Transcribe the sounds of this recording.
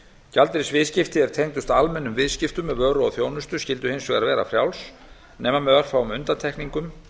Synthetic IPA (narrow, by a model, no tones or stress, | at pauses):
calt̪ɪɾɪsvɪðscɪft̪ɪɛɾ̥t̪ʰejŋt̪ʏst̪almɛnːʏmvɪðscɪft̪ʏmːɛðvœːɾʏaθjoːwnʏst̪ʏscɪl̪t̪ʏhejnsvɛːɣaɾvɛːɾa̰fɾjawls | nɛːmamɛðvar̥fawʏmʏnt̪ant̪ʰɛhkniŋkʏm